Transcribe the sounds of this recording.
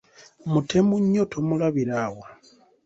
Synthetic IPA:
mutʰemuɲotʰomulaβiɾawa

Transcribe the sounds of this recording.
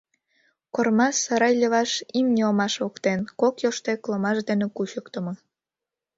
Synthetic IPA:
kormɑsːɑɾɑjlʲəβɑʃimnʲeomɑʃokt̪enkokjoʃt̪eklomɑʃd̪enekuɕəkt̪əmo

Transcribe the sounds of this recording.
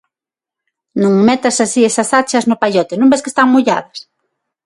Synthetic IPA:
nõŋmɛt̪asasiɛsasat͡ʃɐznʊpaʎɔt̪ɪnũmbeske̥st̪aŋmoʎa̰ðɐs

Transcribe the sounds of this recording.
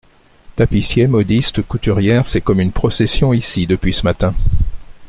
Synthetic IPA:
t̪apisjemɔd̪ist̪kut̪yʁjɛʁsɛkɔmynpχɔsesjɔ̃isid̪əpɥisəmat̪ɛ̃

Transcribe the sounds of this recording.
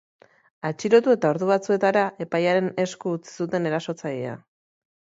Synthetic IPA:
at͡ʃiɾo̞t̪ue̞t̪ao̞ɾðuβat͡sue̞t̪aɾaʔe̞pajaɾe̞ne̞skuːt͡si̥sut̪e̞ne̞ɾaso̞t͡saʎea̰

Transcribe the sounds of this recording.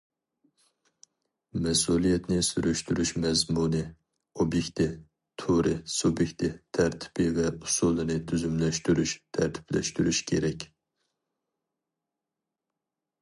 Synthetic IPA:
mɛsulˠijɛt̪nɪsyɾyʃt̪yɾyʃmɛzmunɨ | objekʲt̪ʰɪ | t̪ʰuɾɪsubjek̚ʲt̪ʰɪt̪ʰæɾt̪ʰɪ̥pɪvɛusulˠːɨnɪt̪ʰyzymlɛʃt̪yɾyʃt̪ʰæɾt̪ʰɪ̥plɛ̰ʃt̪yɾyʃkʲʰeɾɛkʲ

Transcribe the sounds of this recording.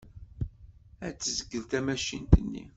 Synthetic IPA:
æt͡sːəzəɡːəlt̪æmæʃint̪ənːḭ

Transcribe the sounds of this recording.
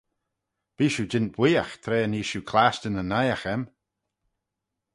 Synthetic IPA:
b̥iːʃud͡ʒɪnt̚b̥wiːaxt̪ʰɾeːəniːʃukʰlaːstənənajaxɛm

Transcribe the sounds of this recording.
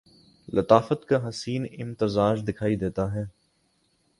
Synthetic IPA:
lʔɐt̪aːfət̪kaɦɐsiːnɪmt̪ɪzaːd͡ʒd̪ɪkʰaːid̪eːt̪aɦɛː

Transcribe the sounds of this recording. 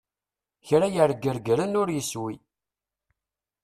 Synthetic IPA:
çɾajəɾɡəɾɡɾənʊɾjəswi

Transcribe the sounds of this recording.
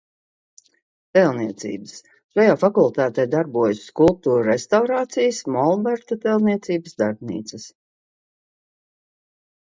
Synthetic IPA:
t̪ɛlˠniɛt̪sḭːbəs | ʃajaːfakulˠt̪aːt̪ɛjd̪aɾbuɔjsskulˠp̚t̪uːɾɾest̪awɾaːt̪sijəsmɔlˠbɛɾt̪at̪ɛlˠniɛt̪siːbəsd̪aɾbnḭːt̪səs

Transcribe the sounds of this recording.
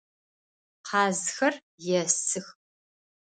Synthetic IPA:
qʰɑːzxɐr | jɛsɨx

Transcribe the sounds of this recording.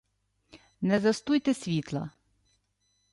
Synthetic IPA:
nɛzɐst̪ujt̪ɛsʲʋʲit̪lˠɐ̰

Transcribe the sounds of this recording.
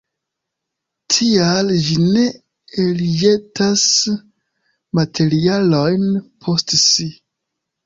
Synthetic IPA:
tʰiald͡ʒine̞ | elijetas | matʰe̞ɾialo̞jnpʰo̞stsi

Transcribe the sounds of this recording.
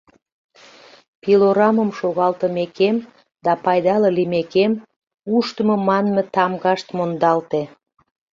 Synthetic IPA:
piloɾɑməmʃoɣɑlt̪əmekem | d̪ɑpɑjd̪ɑləlimekem | uʃt̪əməmɑnmet̪ɑmɣɑʃt̪mond̪ɑlt̪e

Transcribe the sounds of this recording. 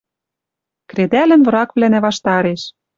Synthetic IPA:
kɾed̪ælɘ̆nvɤ̆ɾɑkβlænæβɑʃt̪ɑɾeʃ

